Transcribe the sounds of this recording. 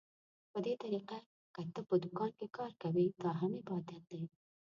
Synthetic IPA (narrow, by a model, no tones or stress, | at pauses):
wɐd̪et̪ɐɾiːqa | kɐt̪ːɐpʊd̪ukɑːnkekɑːɾkɐwet̪aːɦɐmebɑːd̪ɐt̪̚ːe